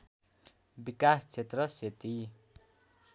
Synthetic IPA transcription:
bikast͡sʰet̪rʌset̪i

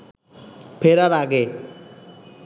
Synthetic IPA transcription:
pʰeɾaɾaɡe

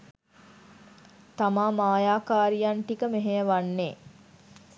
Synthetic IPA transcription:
t̪amaːmaːjaːkaːɾijanʈikəmeɦejəʋanːeː

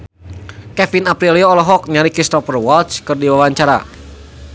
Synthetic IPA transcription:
kɛfinapɾilioːlɔɦɔk̚ɲaɾikist̪ɔpərwɔlt͡ʃkɨrdiwawaɲt͡ʃaɾa̰

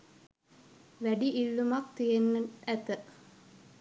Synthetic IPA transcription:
ʋæɖiʔilːumakt̪ijenːəæt̪ə

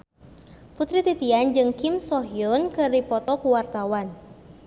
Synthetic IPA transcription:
put̪ɾit̪it̪iand͡ʒɨŋkimsɔɦiɔnkɨripɔt̪ɔkuwart̪awan

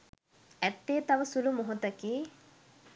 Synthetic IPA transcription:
æt̪ːeːt̪aʋəsulumoɦot̪ɐkiː

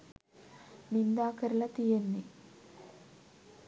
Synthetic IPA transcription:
nind̪aːkɐɾlɐt̪ijenːi

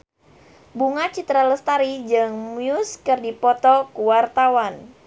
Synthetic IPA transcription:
buŋat͡ʃit̪ɾaləst̪aɾid͡ʒɨŋmiʊskɨrdipɔt̪ɔkuwart̪awan

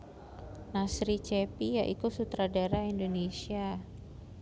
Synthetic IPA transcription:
nasɾit͡ʃepijaʔikusut̪ɾadaɾaindonesia

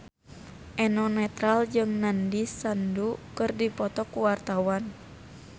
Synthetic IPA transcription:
ʔɛnɔnɛt̪ɾald͡ʒɨŋnandisandukɨrdipɔt̪ɔkuwart̪awan

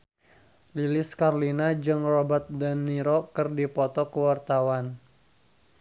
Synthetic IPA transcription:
lilɪskarlinad͡ʒɨŋrɔbərt̪̚danːiɾokɨrdipɔt̪ɔkəwart̪awan

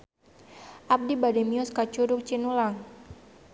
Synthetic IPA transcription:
ʔap̚dibademiʊskat͡ʃuɾʊk̚t͡ʃinulaŋ

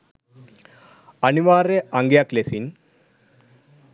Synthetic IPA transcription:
ɐniʋaːɾeɐŋɡjaklesin

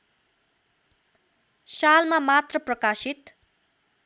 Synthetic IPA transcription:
salmamat̪rʌprʌkasit̪

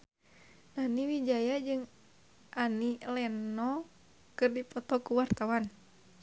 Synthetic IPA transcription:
naniwid͡ʒajad͡ʒɨŋ | ʔanilɛnɔ | kɨrdipɔt̪ɔkuwart̪awan

